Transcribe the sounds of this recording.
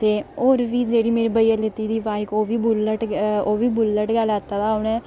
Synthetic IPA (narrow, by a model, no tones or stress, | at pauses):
t̪eːoːɾʋiːd͡ʒeːɽiːmeːɾiːbəijaːlɪt̪iːd̪iːʋaːɪkoːʋiːbʊləʈoːʋiːbʊlːəʈɡəlaːt̪ːaːd̪aːʊɳɛː